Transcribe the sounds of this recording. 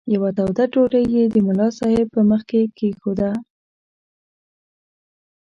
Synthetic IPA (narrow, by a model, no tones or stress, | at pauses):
jawat̪awd̪aʈoɾəjjed̪əmʊlɑsɑhɪb̚pəməxkekexod̪a